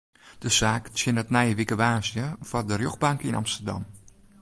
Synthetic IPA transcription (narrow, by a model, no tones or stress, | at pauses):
d̥əsaːksɪnətnɛjəʋikəʋaːsjəfɔdərjoxbaŋkəinʔa̰mstərda̰m